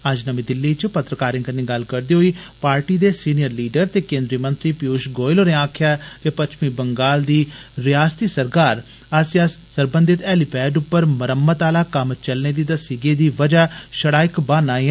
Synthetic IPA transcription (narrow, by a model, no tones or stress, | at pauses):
əd͡ʒnəmĩːd̪ɪlːiːt͡ʃpət̪ɾəkaːɾɪ̃ŋkənːiːɡɐlkəɾd̪eːɦoiːpaːɾʈiːd̪eːsiːnijəɾliːɖəɾt̪eːkẽːnd̪ɾiəmənt̪ɾiːpɪjuːʃɡoːɪloːneːaːkʰɪjaːt̪eːpət͡ʃʰmiːbəŋɡaːld̪iːɾɪjaːst̪iːsəɾkaːɾ | asjaːsəɾbə̃nd̪ɪt̪ɛːlɪpɛːɖʊpːəɾməɾəmːət̪aːlaːkəmt͡ʃəlneːd̪iːd̪əsiɡeːd̪iːʋəd͡ʒaːʃəɽaːɪkbaːnãː